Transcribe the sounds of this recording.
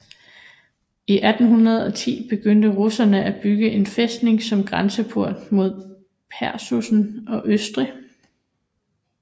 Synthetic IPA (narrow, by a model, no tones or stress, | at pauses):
iʔæd̥n̩ɦunɐð̞̩ˠɒ̽t͡sʰḭːb̥e̝ɡ̥øn̰d̥əʁosɐnəʔæb̥yɡ̥əʔe̝nfesd̥ne̝ŋsɒ̽mɡ̥ʁansəpʰoɐ̰d̥mo̝ð̞̰ˠ | pʰæɐsusn̩ɒ̽ʔøsd̥ʁi